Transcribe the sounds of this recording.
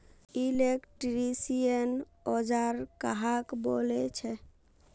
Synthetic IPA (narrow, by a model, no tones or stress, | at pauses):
ilekʈɾisijən | ɔd͡ʒaɾkaɦakbolet͡ʃʰɛ